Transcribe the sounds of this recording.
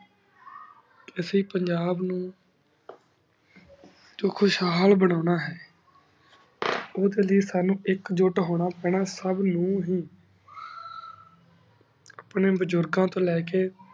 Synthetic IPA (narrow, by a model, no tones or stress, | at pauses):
ɪsiːpəɲd͡ʒaːbnũː | d͡ʒoːkʰʊʃɦaːlbəɽ̃aːnaːɦɛː | oːd̪eːləiːsaːnũːʔɪkd͡ʒʊʈɦoːɽ̃aːpɛːɳaːsəbnũːɦiː | apɳẽːbəd͡ʒʊɾɡãːt̪õːlɛːkeː